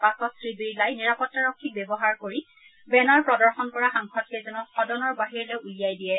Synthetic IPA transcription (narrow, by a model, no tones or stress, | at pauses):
pasɔtsɹibiɹlajniɹapɔtːaɹɔkʰːik̚bɛbɔɦaɹkoɹi | bɛnaɹpɹɔdɔɹxɔnkɔɹaxaŋkʰɔtkezɔnɔxɔdɔnɔɹbaɦiɹlɔjulijajdijɛ